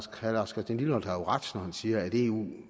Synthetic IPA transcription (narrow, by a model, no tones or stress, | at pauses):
ɡ̥hælɑsɡ̥ɐd̥enliləmɒl̰d̥ɑ̈jo̝ʁɑd̥snɒhænsiːɐæd̥e̝ːṵː